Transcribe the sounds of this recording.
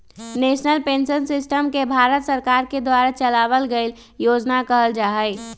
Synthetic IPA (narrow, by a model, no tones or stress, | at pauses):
nesnəlpensənsɪsʈəmkebʱaɾət̪səɾkaɾked̪waɾat͡ʃəlaβəlɡeɪl | jod͡ʒnakəɦəld͡ʒaɦəɪ